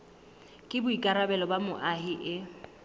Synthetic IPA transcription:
kʼɪbʊikʼaɾabɛlɔbamʊʔaɦɪʔɪ

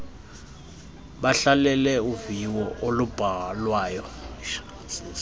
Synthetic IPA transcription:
ɓaɬalɛlɛuviwɔʔolub̥ʱaɣalwaːjɔ

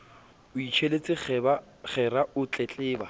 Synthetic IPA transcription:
ʊit͡ʃʰelet͡sʼɪb | χɛraʊt͡ɬʼɛt͡ɬʼɪːba

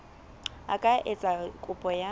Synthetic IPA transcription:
a̰kʼaʔet͡sʼakʼʊpʼɔja

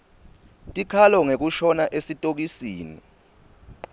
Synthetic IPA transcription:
tʼikʰalɔŋek̬uʃɔnaʔesitʼok̬isiːnḭ

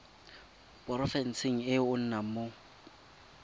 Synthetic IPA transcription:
pʼɔɾɔfɛnsɪŋ̩ɪʊn̩namʊ

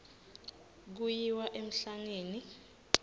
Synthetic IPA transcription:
k̬ujiwaʔem̩ɬaŋeːni

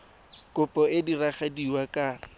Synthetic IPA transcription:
kʼʊpʼɔɪdiraχadiwakʼa

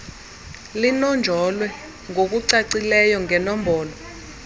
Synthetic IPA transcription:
linɔnd͡ʒʱɔlwɛ | ŋʱok̬uǀaǀilɛjɔŋɛnɔm̩bɔːlɔ

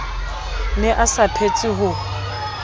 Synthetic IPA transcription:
nɛʔasapʰet͡sʼiɦʊ

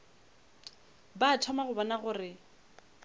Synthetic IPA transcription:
baːtʰɔmaɣʊbɔnaɣʊrɪ

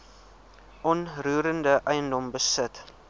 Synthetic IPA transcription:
ʔɔnrɾuːɾəndəʔəjəndɔmbəsət

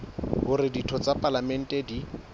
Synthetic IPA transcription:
ɦʊɾɪditʰɔt͡sʼapʼalamɛn̩tʼɛdi

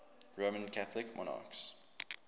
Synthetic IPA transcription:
ɹomə̃nkʰaθlɪkmʔɔ̰na̰ks

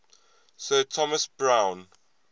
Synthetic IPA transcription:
sɜːtʰɔməsbɹãw̃n

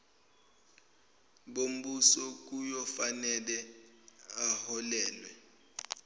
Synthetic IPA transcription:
ɓom̩ɓusɔk̬ujɔfanɛlɛ | ahɔlɛːlwɛ

